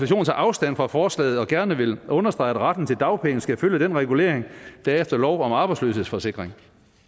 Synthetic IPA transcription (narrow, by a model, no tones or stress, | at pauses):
æɕo̝̰ːn̩t͡sʰɑ̰̈ʔɑ̈ʊsd̥æn̰fʁɑ̈fɒːslɛ̰ːð̩ˠɒ̽ɡ̥æɐnəʋe̝lʔɔ̽nɐsd̥ʁɑ̈ɪæd̥ʁɑd̥n̩t͡sʰe̝ld̥ɑ̈ʊpʰeŋn̩sɡ̥æføljəd̥enʁɛɡ̥ule̝ɐeŋd̥æɐefd̥ɐlɒʊɒ̽mɑ̈ːb̥ɑ̈ɪslø̰ːshe̝ð̰ˠsfɒ̽se̝ɡ̥ʁeŋ